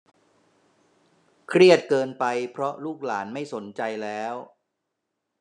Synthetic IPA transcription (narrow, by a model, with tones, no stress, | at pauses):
kʰɾi˥˩ət̪̚kɤː˧npa˧jpʰɾɔ˦˥luː˥˩k̚la̰ː˩˦nma˥˩jso˩˦nt͡ɕa˧jlɛː˦˥w